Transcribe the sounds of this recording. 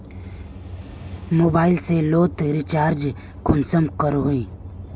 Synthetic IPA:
moːbaːɪlseloːt̪ɾɪt͡ʃaːɾd͡ʒ | kʰʊnsəmkəɾɦʊĩː

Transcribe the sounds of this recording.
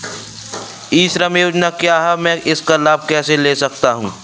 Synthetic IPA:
iːʃɾəmjoːd͡ʒnakjaːɦɛmɛ̃ʔɪskalaːb̚ʱkɛːseleːsɐk̚t̪aɦũː

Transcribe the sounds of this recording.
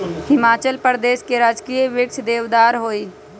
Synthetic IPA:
hɪmaːt͡ʃəlpəɾd̪eːʃkeɾaːd͡ʒkijʋɪk̚t͡ʃʰd̪eːʋd̪aːɾɦoːiː

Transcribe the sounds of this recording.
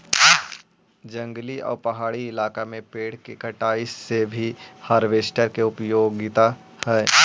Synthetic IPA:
d͡ʒə̃ŋɡliɔ̰ːɾpɐɦaːɽiɪlaːkamẽpeːɽ̤kekəʈaːissebʱihaɾʋeːsʈəɾkeʊpjoːɡɪt̪a | hɛː

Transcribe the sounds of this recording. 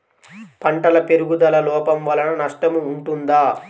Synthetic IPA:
pɐɳʈɐlɐpe̞ɾuɡud̪ɐlɐlɔːpɐmʋɐlɐnɐnɐʂʈɐmuːɳʈund̪aː

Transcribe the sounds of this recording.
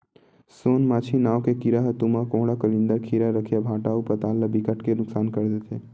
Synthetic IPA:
soːnmaːt͡ʃʰinaːʋkekiɾaɦət̪umakõːɽakəlɪ̃nd̪əɾkʰiɾaɾəkʰijabʱaːʈaːupət̪aːlːəbikəʈkenʊksaːnkəɾd̪eːt̪ʰeː

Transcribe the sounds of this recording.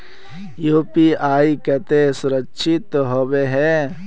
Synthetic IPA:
joːpiaːikɐt̪esʊɾəkʃʰɪt̪ɦoːbeɦɛ

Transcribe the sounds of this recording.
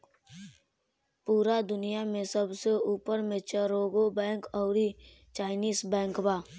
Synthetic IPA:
puːɾad̪ʊnijamẽsəbseuːpəɾmet͡ʃʰəɾoːɡobɛ̃ːŋkɔːɾi | t͡ʃaːɪniːzbɛ̃ːŋkbaː

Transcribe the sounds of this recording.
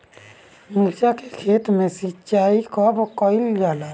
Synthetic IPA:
mult͡ʃakekʰet̪mesit͡ʃaikɔbkəild͡ʒaːla

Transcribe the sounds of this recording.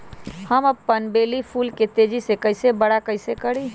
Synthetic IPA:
həməpːənbelipʰulket̪ed͡ʒisekəɪsebəɽakəɪsekəɽi

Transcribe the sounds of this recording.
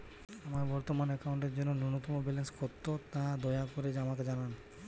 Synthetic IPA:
amaɾbɔɾt̪omanɛkawɳʈeɾd͡ʑonːonunot̪ɔmobɛlenskoɾt̪ːot̪ad̪ɔjakoɾed͡ʑeamaked͡ʑanan

